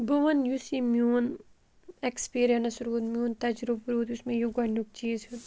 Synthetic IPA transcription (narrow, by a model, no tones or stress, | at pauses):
buʋɐnjusimjuːn | ekspiːɾijɐnɐsɾuːt̪mjuːnt̪ɐd͡ʒɾubɾuːt̪jusmejuɡɐɳuk̚t͡ʃiːzut̪